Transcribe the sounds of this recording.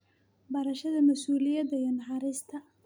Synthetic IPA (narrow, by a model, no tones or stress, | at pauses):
bɐɾɐʃɐðɐmɐsuːlɪjɐd̪ɐjɛnɐħɑɾɪst̪ʰɐ